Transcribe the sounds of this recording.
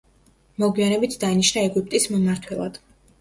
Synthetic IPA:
mɔɡwianɛbit̪ʰd̪aniʃnaɛɡup̚ʰʼt̪ʼismɔmaɾt̪ʰwɛlˠa̰d̪̥

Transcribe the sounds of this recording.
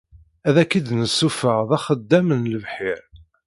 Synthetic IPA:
æðækːid̪nəsːufəʁðæχəd̪ːæmənləvħɪɾ

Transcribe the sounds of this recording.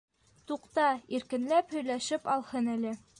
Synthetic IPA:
t̪uqt̪ɑiɾkɘ̆nlæphɵ̆jlæʃɘpɑlˠhɤnælɘ

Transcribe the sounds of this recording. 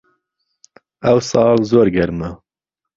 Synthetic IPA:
ɛwsɑːlzoːɾɡɛɾmə

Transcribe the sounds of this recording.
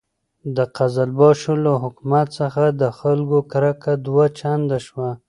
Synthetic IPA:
d̪əqazalbɑʃolaɦʊkmat̪səxad̪əxalɡokaɾakad̪wat͡ʃand̪aʃwa

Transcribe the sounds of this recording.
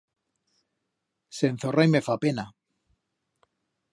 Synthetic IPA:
se̞nθorajme̞fapena

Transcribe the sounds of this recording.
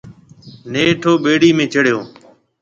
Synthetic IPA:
neːʈʰoːɓeːɽiːmẽːt͡ʃəɽjoː

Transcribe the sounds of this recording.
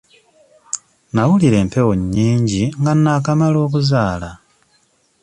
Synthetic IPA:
nawuliɾe̞ːmpe̞woɲːiːɲɟiŋɡanːaːkamalo̞ːk̬uzaːla

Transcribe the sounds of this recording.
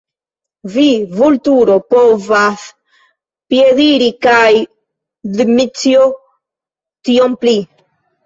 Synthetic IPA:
vivult̪uɾopovas | pjeðiɾikaj | ðmit͡sjo | t̪iompli

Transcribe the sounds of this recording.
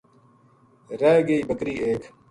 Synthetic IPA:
ɾeːɡeiːbəkɾiːeːk

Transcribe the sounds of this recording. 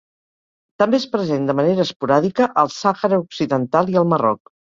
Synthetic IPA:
t̪əmbeəspɾəzend̪əməneɾəːspuɾaðikəʔəlˠsaxəɾəuksiðənt̪alˠiəlˠmərɔ̰k

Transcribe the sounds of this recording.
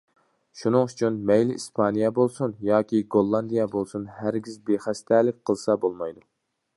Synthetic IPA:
ʃunɨŋyt͡ʃʰynmɛjliispʰɑnijɛbolˠsunjɑːkʲiɡolˠːɑnd̪ijɛbolˠsunhæɾɡʲizbeχæst̪ʰælɪk̚ʲqʰəlˠsɑbolˠmɑjd̪u

